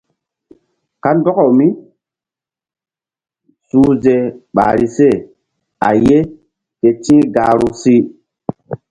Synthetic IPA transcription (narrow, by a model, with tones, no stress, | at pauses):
ka˦ndɔ˦kɔ˨mi˦ | suː˦ze˨ɓa̰˨ɾi˨se˦˨ | a̰˨je˦ | ke˨t͡ʃĩ˦ɡaː˨ɾu˦si˦